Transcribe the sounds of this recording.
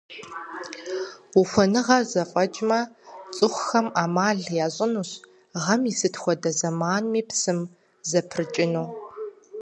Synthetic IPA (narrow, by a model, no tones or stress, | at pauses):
wuxʷɔnɨʁɐzɐfʼɐt͡ʃʼmɐt͡sʼɨχʷxɐmaːmaːɮjaːɕʼɪnuːɕ | ʁɐmisɨtʰxʷɔdɐzɐmaːnmiːpsɨm | zɐpʰrɨt͡ʃʼɪnuː